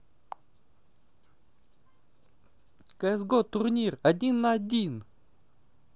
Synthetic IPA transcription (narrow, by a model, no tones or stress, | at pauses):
kəɛzɡot̪ʊrnʲirɐdʲinːɐɐdʲin